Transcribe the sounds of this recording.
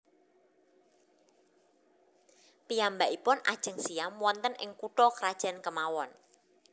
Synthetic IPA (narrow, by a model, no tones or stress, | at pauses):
piambaʔipʊna̰d̥ʒ̥ə̤ŋsiamwɔnt̪ənɪ̰ŋkuʈɔkəɾad̥ʒ̥a̤nkəmawɔn